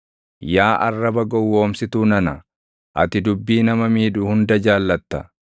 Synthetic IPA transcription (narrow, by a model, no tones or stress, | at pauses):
jaːʔɐrːɐbɐɡɔwːo̞ːmsɪt̪uːnɐnɐ | ʔɐ̰t̪ɪd̪ʊbːiːnɐmɐmiːᶑʊhʊnd̪ɐd͡ʒaːlːɐt̪ːɐ